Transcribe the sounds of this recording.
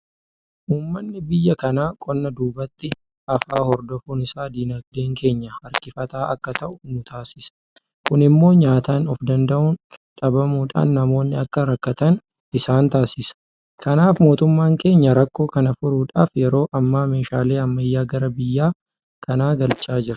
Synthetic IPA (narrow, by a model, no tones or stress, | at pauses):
ʔuːmːɐnːɪbɪjːɐkɐnaːkʼɔnːɐd̪uːbɐt̪ːɪ | ɐfaːhɔɾd̪ɔfuːnɪsaːd̪iːnɐɡd̪eːŋke̞ːɲːɐɐɾkɪfɐt̪aːʔɐkːɐt̪ɐʔʊnʊt̪ʰaːsɪsɐ̥ | kʊnɪmːo̞ːɲaːt̪aːnɔfd̪ɐnd̪ɐʔʊnᶑɐbɐmuːᶑa̰ːnːɐmo̞ːnːɪɐkːɐɾɐkːɐt̪ɐn | ɪsaːnt̪aːsɪsɐ̥ | kɐnaːfmo̞ːt̪ʊmːaːŋke̞ːɲːɐɾɐkːo̞ːkɐnɐfʊɾuːᶑaːfjɛɾo̞ːʔɐmːaːme̞ːʃaːle̞ːɐmːɐjːaːɡɐɾɐbɪjːaː | kʰɐnaːɡɐlt͡ʃʼaːd͡ʒɪɾɐ̥